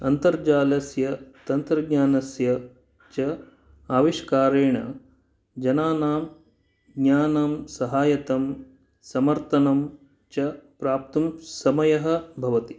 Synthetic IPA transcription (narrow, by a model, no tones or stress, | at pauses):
ɐnt̪ɐɾd͡ʒaːlɐsjɐt̪ɐnt̪ɾɐɡɲaːnɐsjɐ | t͡ʃɐ | aːʋiʃkaːɾeːɳɐ̰ | d͡ʒɐnaːnaːm | ɡɲaːnamsɐɦaːjɐt̪ɐm | sɐmɐɾt̪ɐnɐm | t͡ʃɐpɾaːp̚t̪umsɐmɐjɐɦɐ̆bʱɐʋɐt̪i